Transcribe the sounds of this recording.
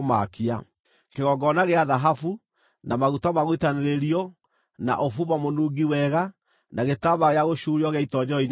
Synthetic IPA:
ma̰kia̰ | keɣɔɡɔnaɣeaðaɦafu | nʔamaɣutamaɣwitaneɾeɾiɔ | na̰ʔofuβamonuɡiwɛɣa | naɣetaβaɣeaɣoʃuɾiɔɣɛaitɔɲɔin

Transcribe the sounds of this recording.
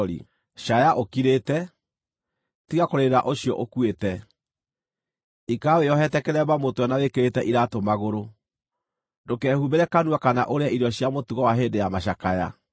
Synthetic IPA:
ɾḭ | ʃajaʔokiɾetɛ | tiɣakoɾeɾɾaʔoɕiɔ̰ʔokuetɛ | ikaweɔɦɛtɛkɛɾɛβamotowɛnawekeɾetɛʔiɾatomaɣoɾo | dokɛhubeɾɛkanwakana̰ʔoɾeaiɾɔɕjamotuɣɔwaɦeːndejamaɕakaja̰

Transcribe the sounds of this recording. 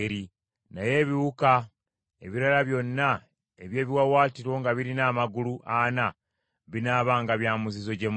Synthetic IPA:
ɾi | naje̞ːβiwuka | e̞̰βiɾalaβjo̞nːa | eβje̞ːβiwawaːtiɾwo̞ːŋɡaβiɾinaːmaɡuluʔana | βinaːβaːŋɡaβjaːmuzizo̞ɟe̞m

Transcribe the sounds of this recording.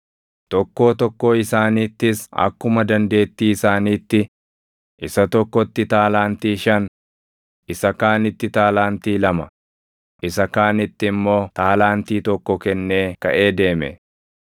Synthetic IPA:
t̪ɔkːo̞ːt̪ɔkːo̞ːɪsaːniːt̪ːɪsɐ̰kːʊmɐd̪ɐnd̪e̞ːt̪ːiːɪsaːniːt̪ːɪ | ʔɪsɐt̪ɔkːɔt̪ːɪt̪aːlaːnt̪iːʃɐn | ɪsɐkaːnɪt̪ːɪt̪aːlaːnt̪iːlɐmɐ | ʔɪsɐkaːnɪt̪ːɪmːo̞ːt̪aːlaːnt̪iːt̪ɔkːɔkɛnːe̞ːkɐʔe̞ːd̪e̞ːmɛ̰

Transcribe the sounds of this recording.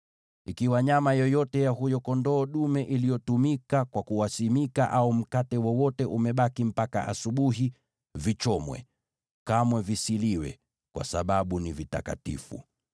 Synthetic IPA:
ikiwaɲamajɔjɔtɛjaɦujɔkɔndɔːɗumɛʔilijɔtumikakwakuwasimikaʔaum̩katɛwɔwɔtɛʔumɛɓakim̩paka̰ʔa̰suɓuɦi | vit͡ʃɔmwɛ̰ | kamwɛvisiliwɛ̰ | kwa̰sa̰ɓaɓunivita̰ka̰tḭfṵ

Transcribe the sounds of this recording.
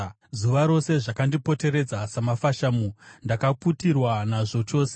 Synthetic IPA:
zuʋaɾo̞se̞ʐakandipo̞te̞ɾe̞d͡zasamafaʃaːmundakaputirwanaʐo̞t͡ʃo̞ːse

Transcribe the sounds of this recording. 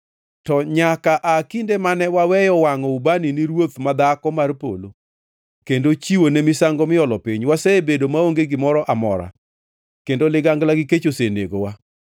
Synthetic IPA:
tɔɲakaʔakindemanɛwawɛjɔwaŋɔubaniniɾwot̪mad̪akɔmarpo̰lo | kendot͡ʃiwonemɪsaŋɡɔmɪɔlɔpiɲwaseebedomaoŋɡeɡɪmɔɾɔʔamɔ̰ɾa̰ | kendolɪɡaŋɡlaɡɪket͡ʃosenḛɡowa

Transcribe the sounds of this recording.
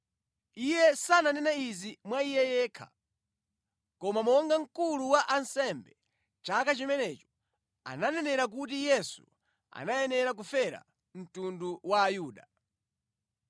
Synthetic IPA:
ijɛsananɛnaizimwaijɛjɛːkʰa̰ | kɔmamɔŋɡaŋ̩kuluwaʔansɛmbɛ | t͡ʃakat͡ʃimɛnɛt͡ʃɔ̥ | a̰nanɛnɛɾak̬ut̬ijɛsu | a̰najɛnɛɾak̬ufɛɾa̰ | m̩tunduwaːjuːɗa

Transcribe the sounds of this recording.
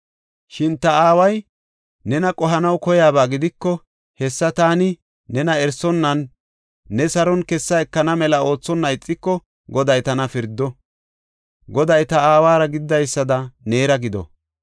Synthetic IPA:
ʃɪnt̪ɐaːwɐj | nɛnɐkʼɔɦɐnɐwkɔjaːbaːɡɪd̪ɪkːɔ | hɛsːɐt̪aːnɪː | ɛnɐɛɾsɔnːɐnː | ɛsɐɾɔnkɛsːɐɛkːɐnɐmɛlɐo̞ːt͡sːɔnːɐɪt͡sʼːɪkːɔ | ɡɔd̪ɐjt̪ɐnɐfɪɾd̪ːɔ | ɡɔd̪ɐjt̪ɐaːwaːɾɐɡɪd̪ːɐjsːɐd̪ɐne̞ːɾɐɡɪd̪ɔ̰

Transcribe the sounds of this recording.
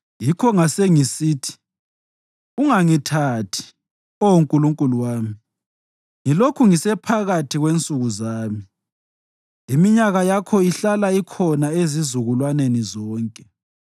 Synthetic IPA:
jikʰɔŋaseŋisiːtʰi̥ | uŋaŋitʰatʰi̥ | ouŋkʼuluŋkʼuluwaːmi | ŋilokʰuŋisɛpʰaɣatʰiɣwent͡sʼuɣuzaːmi | imiɲaɣajakʰɔiɬalaikʰɔnaezizuɣulwanenizɔːŋkʼɛ

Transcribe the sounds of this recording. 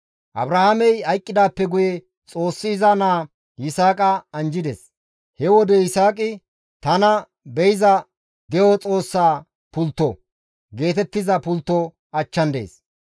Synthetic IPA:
ʔɐ̰bɾɐhamɛjɐjkʼːɪd̪aːpːɛɡʊjɛ | t͡sʼo̞ːsːɪːzanaː | jɪsaːkʼɐɐnd͡ʒɪd̪ɛs | hɛwɔd̪ɛɪsaːkʼɪ | t̪ɐnɐ | bɛjɪzɐ | d̪ɛjɔt͡sʼo̞ːsːaː | pʊlt̪ːɔ | ɡe̞ːt̪ɛt̪ːɪzɐpʊlt̪ːɔ | ɐt͡ʃːɐnd̪e̞̰ːs

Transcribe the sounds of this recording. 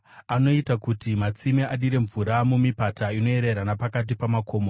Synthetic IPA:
ano̞itakutimat͡simiʔaɗiɾe̞ɱvuɾamumipataino̞e̞ɾe̞ɾanapakat̬ipamakʰo̞ːmo

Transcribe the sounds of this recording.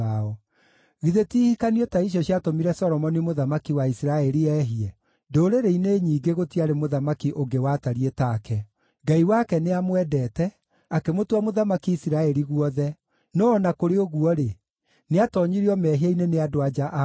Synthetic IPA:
aɔ | ɣiðetiːhikaniɔtaiɕ̬jɔɕiatomiɾɛsɔɾɔmɔnimoðamakiwaisiɾaɛɾiɛːɦiɛ | doːɾeɾeineɲiːɡeɣotiaɾemoðamakiʔoŋɡewataɾietaːkɛ | ɡaiwakɛneamwɛdɛːtɛ | akemotwamoðamakiisiɾaɛɾiɣuɔðɛ | nɔːnakoɾeoɣuɔɾe | neatɔɲiɾiɔmɛɦiaineneadoad͡ʒaʔ

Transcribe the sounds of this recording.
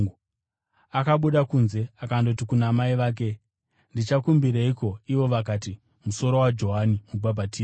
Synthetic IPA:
akaɓuɗakunze̞akandoutikunaːmaiʋaːk̬e̞ | ndit͡ʃakumbiɾeiko̞iʋo̞ʋakaːti | muso̞ɾo̞wad͡ʒo̞ɦanimubʱabʱatiː

